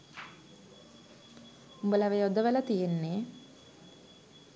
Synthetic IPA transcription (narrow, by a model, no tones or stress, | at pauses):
umbələʋejod̪əʋələt̪ijenːe